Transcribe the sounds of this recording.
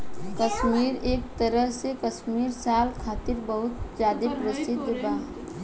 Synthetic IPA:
kəʃmiːɾeːk̚t̪əɾəɦsekəʃmiːɾsaːlkʰaːt̪ɪɾbəɦʊt̪d͡ʒaːd̪ipɾəsɪd̪ʱːəbaːɦ

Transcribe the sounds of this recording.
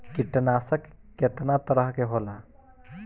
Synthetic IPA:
kiʈnasəkːet̪nat̪əɾəɦkeɦola

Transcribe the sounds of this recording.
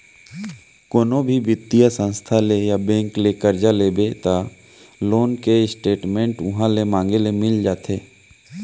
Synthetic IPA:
koːnobʱibɪt̪ːijasə̃nst̪ʰalejabɛ̃ːŋklekəɾd͡ʒaleːbet̪a | loːnkeɪsʈeːʈmẽːɳʈʊɦãlemãːŋɡelemɪld͡ʒaːt̪ʰeː

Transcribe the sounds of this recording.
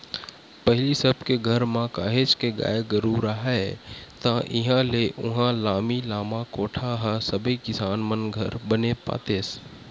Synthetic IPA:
pɛɦɪlisəbkeɡʱəɾmãkaːɦet͡ʃkeɡa̰ːeɡəɾuːɾaɦaɛt̪ãːʔɪɦãleʔʊɦãlaːmilaːmãkoːʈʰaɦasəbekɪsaːnmənɡʱəɾbənepa̰ːt̪eːs

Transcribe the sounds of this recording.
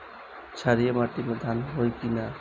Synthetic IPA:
t͡ʃʰaɾijamaʈimed̪ʱanɦojkina

